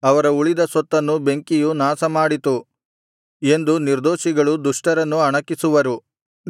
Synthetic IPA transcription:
ɐʋɐɾɐuɭid̪ɐsɔt̪ːɐnːube̞ŋkijunaːsɐmaːɽit̪u | e̞nd̪uniɾd̪oːʃiɡɐɭud̪uʂʈɐɾɐnːuɐɳɐkːisuʋɐɾu

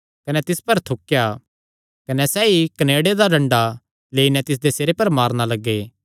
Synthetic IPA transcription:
kɐnɛt̪ɪspɐɾt̪ʰʊkja | kɐnɛsɛːikɐneːɽed̪aɾɐ̃ɳɖa | leːinɛt̪ɪs̬d̪eseːɾepɐɾmaːɾnalɐɡːeː

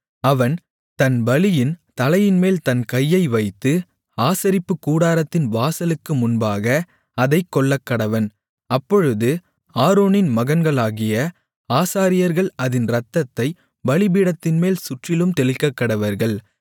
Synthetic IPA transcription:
ɐʋɐn | t̪ɐnbɐlɪjɪnt̪ɐlɐjɪnmeːlt̪ɐnkɐjːɐɪʋɐɪt̪ːɯ | aːsɐɾɪpːɯkːuːɽaːɾɐt̪ːɪnʋaːsɐlɯkːɯmʊnbaːɣɐ | ɐðɐɪkːɔɭːɐkːɐɽɐʋɐn | ɐpːɔɻɯðɯ | aːɾoːnɪnmɐɣɐnɡɐɭaːɣɪjɐ | aːsaːɾɪjɐɾɣɐɭɐðɪnɾɐt̪ːɐt̪ːɐɪ | bɐlɪbiːɽɐt̪ːɪnmeːlsʊʈrɪlɯmt̪ɛɭɪkːɐkːɐɽɐʋɐɾɣɐɭ

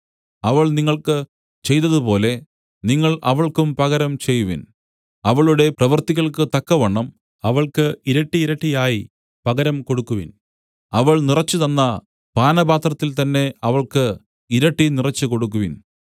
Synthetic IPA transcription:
ɐʋɐɭniŋːɐɭkɨ | t͡ɕe̞jt̪ːɐðupo̞ːle̞ | niŋːɐɭɐʋɐɭkumpɐɣɐɾɐmt͡ɕe̞jːuʋḭn | ɐʋɐɭuɽe̞prɐʋɐrt̪iɣɐɭkɨt̪ɐkːɐʋɐɳːɐm | ɐʋɐɭkɨiɾɐʈːiːɾɐʈːijaːji | pɐɣɐɾɐmko̞ɽukːuʋin | ɐʋɐɭnirɐt͡ɕːɨðɐnːɐ | paːnɐbaːt̪rɐt̪ːilt̪ɐnːe̞ɐʋɐɭkɨ | iɾɐʈːinirɐt͡ɕːɨko̞ɽuk̬ːuʋin

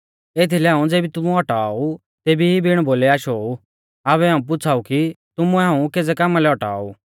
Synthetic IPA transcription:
eːt̪ʰilɛaːũd͡zeːbit̪ʊmũɔʈaːu | t̪eːbiibʱiɽ̃boːlɛaːʃou | aβɛɦaːũp̬ʊt͡sʰaːukit̪ʊmuɛɦãːũkeːd͡zɛkamalɛɔʈa̰ːṵː

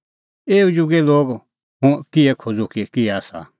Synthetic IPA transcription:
eːud͡ʒuɡɛloːɡ | ɦʊ̃kiɛkʰod͡zokikiɛasa̰

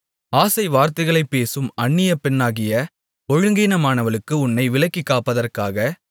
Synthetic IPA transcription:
aːsɐɪʋaːɾt̪ɐɪɣɐɭɐɪpːeːsɯmɐɳːɪjɐpɛnːaːɣɪjɐ | ɔɻɯŋɡiːnɐmaːnɐʋɐɭɯkːɯʊnːɐɪʋɪɭɐkːɪkːaːpːɐðɐrkaːɣɐ

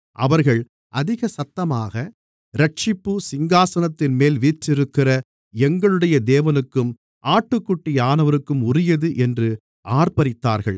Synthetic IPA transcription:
ʔɐ̰ʋɐɾɣɐɭ | ʔɐðɪɣɐsɐt̪ːɐmaːɣɐ | ɾɐʈ̚t͡ʃɪpːɯsɪŋɡaːsɐnɐt̪ːɪnmeːlʋiːʈrɪɾɯkːɪrɐ | ɛŋɡɐɭɯɽɐjɐd̪eːʋɐnɯkːɯm | ʔaːʈːɯkːʊʈːɪjaːnɐʋɐɾɯkːɯmʊɾɪjɐðɯʔɛndrɯ | ʔaːɾpɐɾɪt̪ːaːɾɣɐ̰ɭ

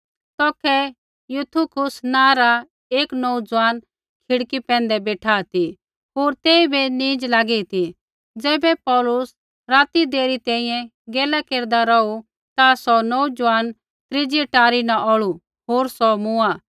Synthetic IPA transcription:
t̪ɔːkʰɛ | jut̪ʰukʰʊsnãːɾa | eːknɔud͡zʊaːn | kʰɪɽkipɛ̃ːnd̪ɛbeːʈʰaːt̪i | ɦoːɾt̪eːibenĩːd͡ʒlaːɡɛit̪i | d͡zɛːbɛpɔːlʊs | ɾaːt̪id̪eːɾit̪ɛ̃ːĩjɛ̃ | ɡɛːlakeːɾd̪aɾɔu | t̪asɔnɔud͡ʒʊʋaːn | t̪ɾɪd͡ʒiʈaːɾinaʔɔɭu | ɦoːɾsɔmʊa

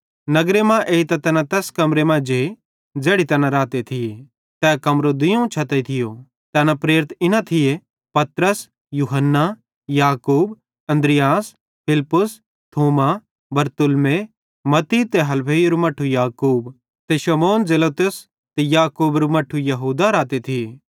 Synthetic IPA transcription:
nɐɡɾemãʔeːit̪ɐt̪ɛːnãt̪ɛːskɐmɾemãd͡ʒe | d͡zeːɽit̪ɛːnãɾaːt̪et̪ʰɪje | t̪ɛːkɐmɾod̪ɪjõt͡ʃʰɐt̪eit̪ʰɪjo | t̪ɛːnãpɾeːɾɪt̪ɪnãt̪ʰɪje | pɐt̪ɾəs | juːɦənːa | jaːkuːb | ɐ̃nd̪ɾɪjaːs | pʰɪlpːʊs | t̪ʰoːma | bɐɾt̪ʊlme | mɐt̪it̪eɦɐlpʰeːiɾumɐʈʰːujaːkuːb | t̪eʃɐmoːnd͡zeloːt̪ʊs | t̪ejaːkuːbɾumɐʈʰujɐɦuːd̪aɾaːt̪et̪ʰɪjeː

